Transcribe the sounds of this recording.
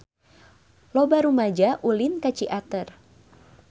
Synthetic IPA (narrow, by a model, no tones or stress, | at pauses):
lɔbaɾumad͡ʒaʔulinkat͡ʃiʔat̪ər